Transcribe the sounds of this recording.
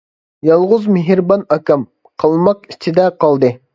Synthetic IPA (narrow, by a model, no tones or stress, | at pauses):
jɑlˠʁʊzmɪɦɾbɑnɑkʲɑm | qʰɑlˠmɑqi̥t͡ʃʰid̪ɛqʰɑlˠd̪ɨ